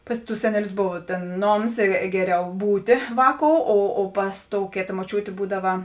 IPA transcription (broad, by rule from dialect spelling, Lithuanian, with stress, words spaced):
ˈpɐs ˌtʊs ˈsʲæːnʲɛˌlʲʊs ˈboːʋɐ tʲeːn ˈnoːms ɪ ˈɡʲæːˌrʲɛʊ ˈbuːtʲeː ˈʋɑːˌkoːʊ oː oː ˈpɐs ˌtoːʊ ˈkʲeːtɐ moːˈt͡ʃʲuːtʲeː ˈbuːdɐʋɐ